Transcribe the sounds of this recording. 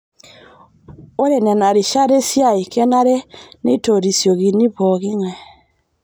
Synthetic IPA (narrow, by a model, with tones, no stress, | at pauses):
o˦ɾe˨nɛ˨na˨ɾe˨ʃa˦ɾe˦sja˦˨i˨kɛ˦na˦ɾe˦ne˦i˦to˨ɾi˨sjɔ˨ɣi˨ni˦βɔ˨ɣe˦ŋwɛ˨